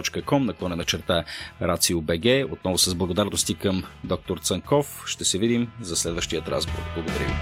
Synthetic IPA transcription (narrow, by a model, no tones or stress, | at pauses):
ɔt͡ʃkəkɔmnɐklˠɔnɛnɐt͡ʃɛɾt̪aɾat̪siʊbɛɡɛot̪̚nɔvʊsɐzblˠɐɡod̪aɾnost̪ikəmd̪ɔk̚t̪oɾt̪səŋkɔfʃt̪ɛsɛvid̪imzɐslɛd̪vəʃt̪iət̪ɾa̰zbo̰ɾkblˠɐɡod̪ɐɾʲivi